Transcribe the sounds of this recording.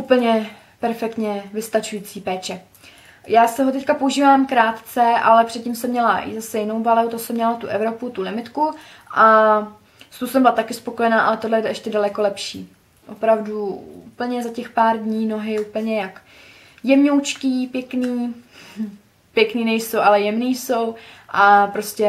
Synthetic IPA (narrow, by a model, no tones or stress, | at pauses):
ʔupl̩ɲɛ | pɛɾfɛk̚t̪ɲɛvɪst̪at͡ʃujiːt͡siːpɛːt͡ʃɛ | jaːsɪɦo̞t̪ɛckapouʒiːvaːmkɾaːt̪t͡sɛʔa̰lɛpr̝̥ɛt̪cɪmsɛmɲɛla̰zasɛjɪno̞wbalɛwt̪osɛmɲɛlat̪uʔɛvɾo̞put̪ulɪmɪt̪ku | ʔa | st̪owsɛmbɪlat̪akɪspokojɛnaːʔalɛt̪odlɛjɛɛɛʃcɛdalɛko̞lɛpʃḭː | ʔo̞̰pɾavduṵpl̩ɲɛzacɛxpaːɾdɲiːno̞ɦɪuːpl̩ɲɛjak | jɛmɲowt͡ʃkiːpjɛkniː | pjɛkniːnɛjsowʔalɛjɛmniːso̞wʔapɾo̞scʲɛ